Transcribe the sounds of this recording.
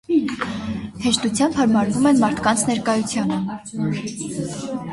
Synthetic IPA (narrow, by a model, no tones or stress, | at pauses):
hɛʃt̪ut͡sʰjɑmbhɑɾmɑɾvumɛnmɑɾt̪ʰkɑnt͡sʰnɛɾkɑjut͡sʰjɑnə